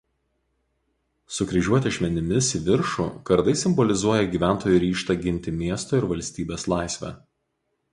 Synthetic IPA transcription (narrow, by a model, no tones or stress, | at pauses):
sʊkɾʲɪʒʲuɔt̪ʲɛɐʃʲmʲɛnʲɪmʲɪsʋʲɪɾʃṵkɐɾd̪ɐɪsʲɪmbɔlʲɪzuɔjɛɡʲiːʋʲæˑnt̪oːjʊɾʲiːʃt̪ɐɡʲɪnʲt̪ʲɪmʲiɛst̪oːɪɾʋɐlʲsʲt̪ʲiːbʲeːslˠɑˑɪsʲʋʲɛ̰ː